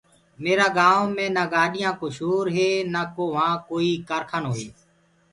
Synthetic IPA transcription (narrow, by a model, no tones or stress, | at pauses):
meːɾaːɡaːʋmẽːnaːɡaːɗɪjãːkoːʃoːɾɦeːnaːkoːʋãːkoːiːkəɾkʰənɦoːɦeː